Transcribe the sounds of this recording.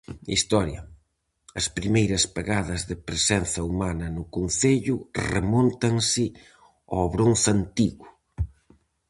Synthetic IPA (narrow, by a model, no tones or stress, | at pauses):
ḭst̪ɔɾjɐ̰ | ɐspɾimejɾɐspeɣaðɐzðɪpɾesɛnθɐumanɐnʊkonθeʎʊrḛmont̪ɐŋsɪ | ɔβɾonθɐnt̪iɣʊ